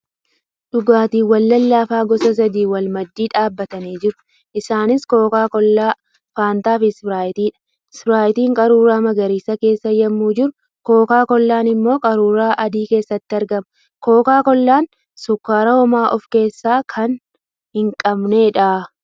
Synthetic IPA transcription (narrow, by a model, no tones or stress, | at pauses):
ᶑʊɡaːt̪iːwɐlːɐlːaːfaːɡɔsɐs̬ɐd̪iːwɐlmɐd̪ːiːᶑaːbːɐt̪ɐniːd͡ʒɪɾʊ̥ | ʔɪsaːnɪsko̞ːkaːkɔlːaː | faːnt̪aːfɪsbɾaːjɪt̪iːᶑɐ̥ | sbɪɾaːjɪt̪iːŋkʼɐɾuːɾaːmɐɡɐɾiːsɐke̞ːsːɐjɐmːuːd͡ʒɪɾʊ | ko̞ːkaːkɔlːaːnɪmːo̞ːkʼɐɾuːɾaːʔɐd̪iːke̞ːsːɐt̪ːɪɐɾɡɐmɐ | ko̞ːkaːkɔlːaːn | sʊkːaːɾɐhɔmaːʔɔfke̞ːsːaːkʰɐn | hɪŋkʼɐbne̞ːᶑaː